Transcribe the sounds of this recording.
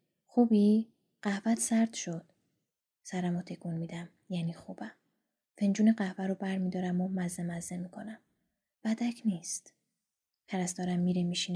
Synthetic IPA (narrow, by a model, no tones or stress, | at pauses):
xuːbiː | ɢ̥æhvæt̪ʰsæɾd̪ʃod̪̥ | sæɾæmot̪ʰe̞kʰunmiːd̪æm | jæːniːxubæm | fe̞nd͡ʒuːneɢæhvæɾobæɾmiːd̪ɒːɾæmomæzːemæzemiːkʰonæm | væd̪æcʰniːst̪ | t̪ʰæɾæsd̪ɒːɾæmːiːɾemiːʃiːn